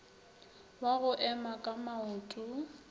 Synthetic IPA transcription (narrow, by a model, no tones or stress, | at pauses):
waɣʊʔɛmakʼamauːtʼʊ